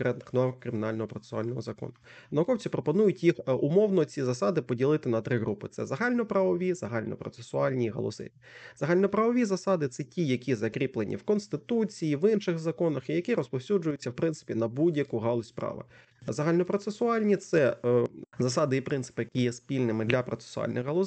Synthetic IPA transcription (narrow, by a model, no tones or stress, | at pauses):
kɾɛt̪nɪxnɔɑkɾɪmʲɪnalʲnɔɦɔpɾɔt̪se̥sʊa̰lʲnɔɦɔzɐkɔ̰nʊ | nɐʊkɔwt͡sʲipɾɔpɔnujʊtʲjixʊmɔwnɔt͡sʲizɐsɑd̪ɪpɔdʲilˠɪt̪ɪnɐt̪ɾɪɦɾupɪt̪sɛzɐɦɑlʲnɔpɾɐʋɔʋʲizɐɦɑlʲnɔ̰pɾɔ̰t̪sesʊɑlʲnʲiɦɔ̰lˠɔ̰sɪ̰ | z̥ɐɦɑlʲnɔpɾɐʋɔʋʲizɐsɑd̪ɪt̪sɛtʲijɐkʲizɐkɾʲiplˠenʲʔḭwkɔnst̪ɪt̪ut͡sʲijiʋɪnʃɪxzɐkɔnɐxijɐkiɾɔspɔwsʲud͡ʒʊjʊt͡sʲːɐwpɾɪnt̪sɪ̥pʲinɐbudʲjɐkuɦɑlˠʊsʲpɾɑ̰ʋɪ̰ | zɐɦɑlʲnɔpɾɔt̪sesʊɑlʲnʲit̪sɛ | zɐsɑd̪ɪipɾɪnt̪sɪ̥pɪjɐkʲijɛspʲilʲnɪmɪd̪lʲɐpɾɔt̪se̥sʊɑ̰lʲnɪ̰ɣɦɐlˠɔ